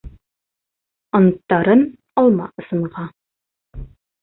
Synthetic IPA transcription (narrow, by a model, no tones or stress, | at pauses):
ɒnt̪ːɑɾɤn | ɒlˠmɑ̰ʔɤ̆sɤ̆ɴʁɑ